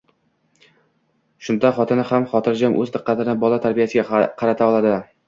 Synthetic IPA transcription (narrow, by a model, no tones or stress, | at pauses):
ʃʊnd̪aχɒt̪ʰɪnɪhamχɒt̪ʰɪɾd͡ʒamʔɵ̰zd̪ɨqːɑt̪ɪnɪbɒlˠat̪ʰaɾbijasɪɡʲaqʰɑɾat̪ʰaɒlˠad̪ɪ